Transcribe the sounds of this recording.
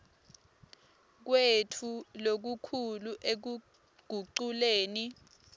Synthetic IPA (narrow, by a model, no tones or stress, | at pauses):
k̬wetʰulok̬ukʰuluʔek̬u | ɡ̥ʱuǃuleːni